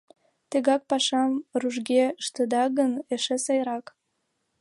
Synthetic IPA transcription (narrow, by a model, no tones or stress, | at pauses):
t̪eɣɑk̚pɑʃɑmruʒɡeʃt̪ə̆d̪ɑɣəneʃesɑjɾɑk